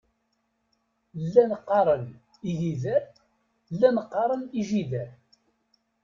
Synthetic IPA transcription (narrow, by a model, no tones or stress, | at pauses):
lːænqːɑɾˤən | iʝiðæ | lːænqːɑɾˤəniʒiðæ